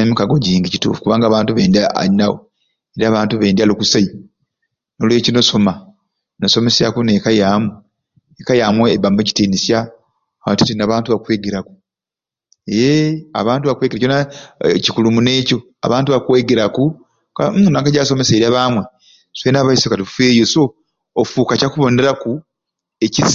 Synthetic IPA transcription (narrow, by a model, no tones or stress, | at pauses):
emikaɡo̞ɟiːŋɡicitṵːfu̥kuβaːŋɡaːβaːntuβe̞ːndaa̰inaɣo̰ | eɾiaːβaːntuβeːndialukusai | no̞lwe̞ːcino̞so̞ma | noso̞me̞sakunekajaːmu | ekajaːmweβameci̥tiːnisja | watitinaβaːntuβakwe̞ːɡeɾaku̥ | ea̰βaːntuβakwe̞ɡeɾaconacikulumune̞ːco̞ | a̰βaːntuβakwe̞ːɡeɾaku | kanakaɟaːso̞meseːɾiaβaːmwe | swenaːβaisokatufe̞ːjoso̞ː | fuːkacakuβo̞ːnde̞ɾaku | ecis